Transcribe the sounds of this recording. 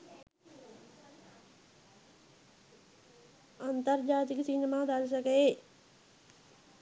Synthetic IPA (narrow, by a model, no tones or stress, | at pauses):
ɐnt̪ɐɾd͡ʒaːt̪̬iksinemaːd̪als̬ɐke